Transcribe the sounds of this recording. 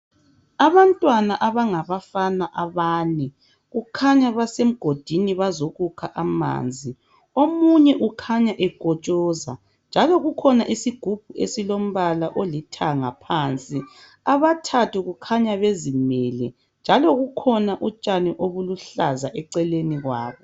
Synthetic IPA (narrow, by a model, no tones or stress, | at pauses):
aβantʼwanaʔaβaŋaβafanaʔaβaːnɛ | ɣukʰaɲaβasem̩ɡ̥ʱod̥ʱiniβazoɣukʰaʔama̰ːnd͡zʱi | omuɲɛʔukʰaɲaʔɛɡ̥ʱɔt͡ʃʼɔza̰ | nd͡ʒʱaloɣukʰɔnaʔisiɡ̥ʱub̥ʱuʔḛsilom̩βalaʔolitʰaŋapʰant͡sʼi | aβatʰatʰuɣukʰaɲaβezimɛːlɛ̰ | nd͡ʒʱaloɣukʰɔnaʔut͡ʃʼanɛʔoβuluɬa̰zaʔɛǀɛleniɣwaːβɔ